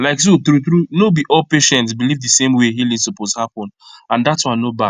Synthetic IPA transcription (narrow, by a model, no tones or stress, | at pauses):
laɪksotɾuθɾunobiʔɔlpeʃɛ̃ntsbilivdɨsẽmweɦilisɔpozhapɔ̃nãndatswãnːobad